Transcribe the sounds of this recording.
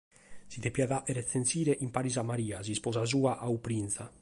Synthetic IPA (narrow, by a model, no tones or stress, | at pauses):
sid̪epjaðaʔeɾeθensiːɾeʔimpaɾizamaɾiːaz̬ispɔzazuːaʔawpɾinsa